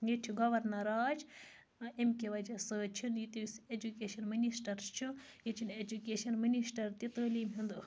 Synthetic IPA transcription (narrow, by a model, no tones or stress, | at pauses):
jet͡ʃʰiɡɐʋɐɾnɐɾaːd͡ʒ | emkʲeʋɐd͡ʒɐsɨːt͡ʃʰinjit̪iʋised͡ʒukeːʃɐnminisʈɐɾst͡ʃʰi | jet͡ʃʰined͡ʒukʲeːʃɐnminisʈɐɾt̪it̪əːliːmɦind̪ɨ